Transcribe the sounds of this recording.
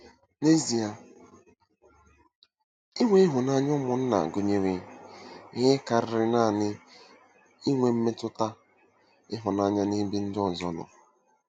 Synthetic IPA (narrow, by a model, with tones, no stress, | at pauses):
ne˦zi˨a˨ | i˦ŋʷe˦ɪ˦ɦʊ˨na˦ɲʊ˦mʊ˨n̩˦na̰˨a̰˨ɡo˨ɲe˦ɾi˦ | ɦe˦ka˨ɾɪ˨ɾɪ˦na˦˨nɪ˦ | i˦ŋʷe˨m̩˦me˦tʊ˦ta˦ | ɪ˦ɦʊ˨na˦˨ɲa˦ni˦bi˦n̩˦dɪ˦ɔ˨zɔ˦lʊ̰˨